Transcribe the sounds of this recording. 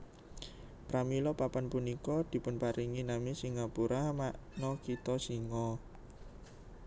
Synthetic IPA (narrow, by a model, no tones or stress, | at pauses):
pɾamilɔpapanpunikɔd̪̥i̤pʊnpaɾiŋinamisiŋapuɾamaʔnɔkit̪ɔsiŋɔ